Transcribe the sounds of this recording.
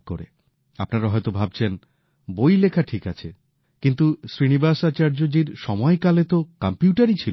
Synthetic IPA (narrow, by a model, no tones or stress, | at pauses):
ko̰ɾḛ | apnaɾaɦɔjt̪obʱab̚t͡ɕʰen | bojlekʰaʈʰikat͡ɕʰe | kint̪usɾinibasat͡ɕaɾd͡ʑod͡ʑiɾʃɔmɔekalet̪okampiuʈaɾit͡ɕʰilo